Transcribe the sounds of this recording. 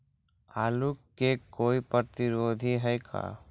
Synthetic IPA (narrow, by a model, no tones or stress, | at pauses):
aːlukːekoːipəɾt̪ɪɾoːd̪ʱiɦɛjkʰa̰ː